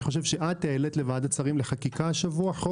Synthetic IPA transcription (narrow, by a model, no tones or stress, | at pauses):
χo̞ʃ̬e̞vʃe̞ʔat̪ejelet̪le̞vad̪at͡saʁimle̞χakikaʃavuaħo